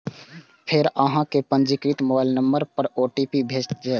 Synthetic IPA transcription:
pʰɪɾəɦãkepə̃nd͡ʒikɾit̪mobaːɪlnəmbəɾpəɾoːʈipibʱeːt͡ʃd͡ʒɛː

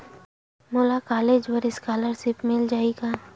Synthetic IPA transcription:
moːlakaːleːd͡ʒwəɾɪskaːləɾsɪpmɪld͡ʒaːikaː

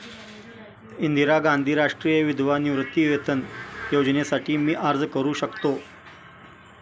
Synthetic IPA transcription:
ind̪ʱiɾaɡand̪ʱiːɾaʂʈɾijəʋid̪ʱʋaniʋɾət̪ːiʋet̪ʰənjod͡znesaʈiːmiːʔaɾd͡zkəɾuːɕəkt̪o

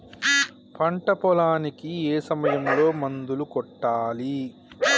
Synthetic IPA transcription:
pʰɐɳʈɐpɔlaːnikieːsɐmɐjɐmlo̞ːmɐnd̪ulukɔʈːaːli

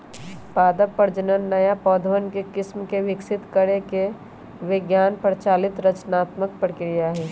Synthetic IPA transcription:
paːd̪əpːəɾd͡ʒənənːɐjapɔːd̪ʱəʋənkekɪsmkeʋɪksɪt̪kəɽeke | ʋɪɡjaːnpɾt͡ʃaːlɪt̪ɾɐt͡ʃnaːt̪mək̚pɾəkɾɪjaɦɛː

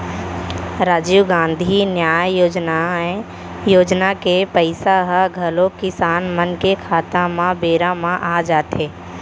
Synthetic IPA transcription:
ɾaːd͡ʒiːɡãːnd̪ʱinjaːjoːd͡ʒnae | joːd͡ʒnakepəɪsaɦəɡʱəlõkɪsaːnmənkekʰaːt̪ãmãbeːɾamãʔad͡ʒaːt̪eː

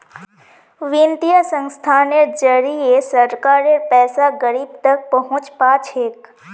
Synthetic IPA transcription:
ʋĩnt̪ijəsə̃ŋst̪ʰaneɾd͡ʒəɾiesəɾkaːɾeɾpɛːsaɡəɾiːbt̪ək̚pəɦʊ̃t͡ʃpat͡ʃʰeːk

